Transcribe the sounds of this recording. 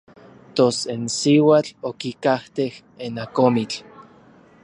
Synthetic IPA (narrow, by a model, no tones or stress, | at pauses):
t̪osensiwat͡ɬokikaht̪eh | enakomit͡ɬ